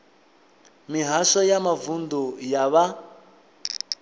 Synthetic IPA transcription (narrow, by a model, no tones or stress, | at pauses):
miɦaʃɔjamavund̪ujaβa